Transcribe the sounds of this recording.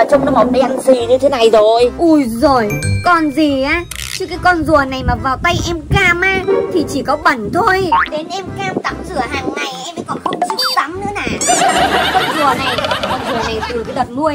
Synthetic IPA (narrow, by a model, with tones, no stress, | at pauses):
a˨˩t͡ɕɔ˧wŋ͡mnɔ˨˦ma˨˩wŋ͡m̚ɗə˧jʔa˧nsi˧˩ɲɨ˧t̪ʰe˨˦na˨˩jzo˨˩jʔu˧˩jzo˨˩jkɔ˨˩nzi˨˩ʔaː˨˦ | t͡ɕɨ˦˥kaː˨˦jkɔ˧nzu˨˩əna˨˩jmaː˨˩vaː˨˩wt̪a˧jʔɛ˧mkaː˧mʔaː˨˧˥t̪ʰi˨˩t͡ɕi˧˩kɔ˨˦ɓə˧˩nt̪ʰo˧jɗe˨˦nʔɛ˧mkaː˧mt̪a̰˧˥mzɨ˧˩əɦaː˧˩ŋna˧˩jʔɛ˧məː˨˦jkɔ˨˩nxə˧wŋ͡mt͡ɕɨ˦˥k̚sa˨˦mnɨ̰˧˥na̰ː˧˩˨a˨˦ka˨˦kɔ˧nzu˨˩əna˨˩jkɔ˧nzu˨˩əna˨˩jt̪ɨ˨˩kaː˨˦jɗə˨˩t̚mu˧əj